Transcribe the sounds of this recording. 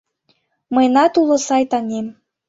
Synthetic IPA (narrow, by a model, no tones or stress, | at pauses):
məjnɑt̪ulɤ̆sɑjt̪ɑnʲem